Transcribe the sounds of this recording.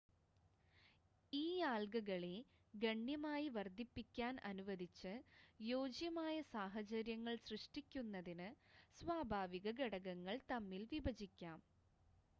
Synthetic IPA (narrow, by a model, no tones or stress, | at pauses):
iːaːlɡɐɣɐɭe | ɡɐɳːjɐmaːjiʋɐrd̪ʱipːikʲːaːnɐ̰nuʋɐd̪ʱit͡ɕːɨjoːd͡ʑjɐmaːjɐsaːɦɐt͡ɕɐɾjɐŋːɐɭsrɨʂʈikʲːunːɐðinɨsʋaːbʱaːʋiɣɐɡɐɽɐɣɐŋːɐɭt̪ɐmːilʋibɐd͡ʑikʲːaːm